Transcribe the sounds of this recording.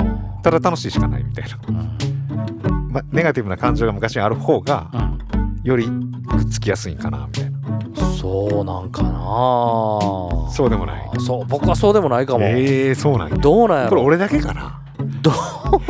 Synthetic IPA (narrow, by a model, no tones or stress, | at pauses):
t̪ad̪at̪ano̞ɕiːɕi̥kana̰ḭmʲit̪ainã | mane̞ɡat̪ʲibɯ̟nakãɲ̟d͡ʑo̞ːɡamɯ̟kaɕiɲaɾɯ̟ho̞ːɡã | jo̞ɾʲi | kɯ̥t͡sɨ̥kʲijasɨḭ̃ŋkana̰mʲit̪ainasoːnãŋkana | so̞ːd̪e̞mo̞̰na̰ḭsoːbo̞kɯβaso̞ːd̪e̞mo̞naikamoeso̞ːnã̰ɲd̪oːnãakoɾeo̞ɾe̞d̪ake̞kana̰ | d̪o